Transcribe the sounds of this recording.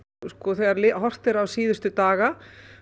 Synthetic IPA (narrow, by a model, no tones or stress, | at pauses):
skɔθɛɣaɾlɪɦɔr̥t̪ɪɾawsiːðʏst̪ʏt̪aːɣa